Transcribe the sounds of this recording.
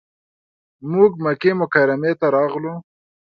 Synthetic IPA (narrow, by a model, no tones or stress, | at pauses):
muɡmakemʊkaɾamet̪aɾɑɣlu